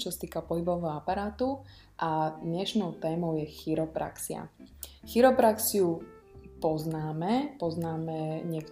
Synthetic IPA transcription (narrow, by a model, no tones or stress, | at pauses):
t͡ʃɔsat̪iːkapɔɦibɔʊʋɛɦɔapaɾaːt̪u | ʔad̪ɲɛʃnɔʊt̪ɛːmɔʊjɛxiɾɔpɾa̰ksia̰xiɾɔpɾaksiu | pɔznaːmɛpɔznaːmɛɲɪɛk